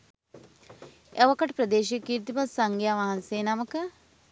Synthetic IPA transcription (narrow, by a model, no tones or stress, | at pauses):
eʋəkɐʈpɾɐd̪eːʃijəkiːɾt̪ibɐsɐŋɡjaʋaɦɐnseːnaməkə